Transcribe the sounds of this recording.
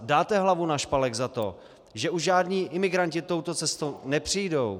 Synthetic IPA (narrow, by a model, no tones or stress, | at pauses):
daːt̪ɛɦlavunaʃpalɛɡzat̪o̞ | ʒɛʔuʒʒaːdɲiːʔɪmɪɡɾancɪt̪o̞wt̪o̞t͡sɛst̪ownɛpr̝̥ijdo̞w